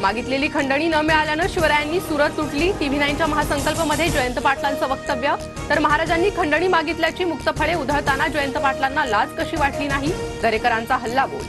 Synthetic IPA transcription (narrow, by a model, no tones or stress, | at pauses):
maɡit̪leliːkʰəɳɖəɽ̃iːnəmiɭaljanəɕiʋəɾajanːiːsuɾət̪ːuʈliːʈiʋ̤ʱinajnt͡ɕjaməɦasəŋkəlpəməd̪ʱːjed͡ʑojənt̪əpaʈʰlant͡səʋək̚t̪əʋjə | t̪əɾməɦaɾad͡ʑanːiːkʰəɳɖəɳ̃iːmaɡit̪ljat͡ɕiːmuk̚t̪əpʰəɭeud̪ʱəɾt̪anad͡ʑəjənt̪əpaʈʰlanːalad͡zkəɕiːʋaʈliːnaɦiːɡ̪ʱəɾekəɾant͡saɦəlːaɡo̰